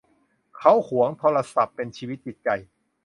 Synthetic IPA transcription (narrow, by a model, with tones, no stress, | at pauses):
kʰa˦˥whu˨˩˦əŋt̪ʰoː˧ɾa˧sa˨˩pːe˧nt͡ɕʰiː˧wi˦˥t̪̚t͡ɕi˨˩t̪̚t͡ɕa˨˩j